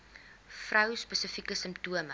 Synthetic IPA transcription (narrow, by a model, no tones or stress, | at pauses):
frœwspəsəfikəsəmptuəmə